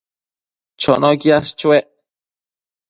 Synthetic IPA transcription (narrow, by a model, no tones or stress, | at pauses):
t͡ʃonokiaʃt͡ʃweʔ